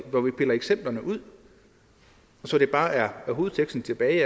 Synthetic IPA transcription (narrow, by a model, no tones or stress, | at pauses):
ʋɒʋipʰe̝lɐeɡ̥sem̰b̥lɐnəʔuð̞̰ˠ | ɒ̽sɒ̽d̥e̝b̥ɑ̈ːʔæɐæɦo̝ːð̞̩ˠt͡sʰeɡ̥sd̥n̩t͡sʰe̝b̥ɛːɪ